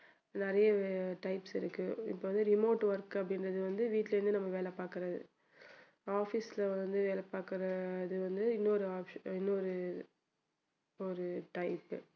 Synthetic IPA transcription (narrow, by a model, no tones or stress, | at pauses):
nɪɾɐjɐʈɐɪpsɪɾɯkːɯɪ̰pːoːʋɐnd̪ɯɾɪmoːʈʋɐɾkɐpːɐɽɪnrɐðɯʋɐnd̪ɯʋiːʈːlɛɾɯnd̪ɯnɐmːɐʋeːlɛpːaːɾkɪɾɐðɯ̰ | aːfislɐnd̪ɯʋeːlɛpːaːkɪɾɐðɯʋɐnd̪ɯɪnːɔɾɯaːpʃɪnːɔɾɯ | ɔɾɯʈɐɪpː